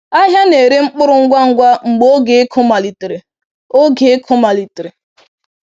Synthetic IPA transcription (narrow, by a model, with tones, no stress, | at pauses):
a˦ɦja˦ne˨ɾe˦ŋ͡m̩˦k͡pʊ˦ɾʊ˦ŋ̩˦ɡʷa˦ŋ̩˦ɡʷa˦ŋ͡m̩˨ɡ͡bo˦ɡe˨e˦kʰʊ˦ma˨li˨tɾɪ˨ | o˦ɡe˨e˦kʰʊ˦ma˨li˨tɾɪ˨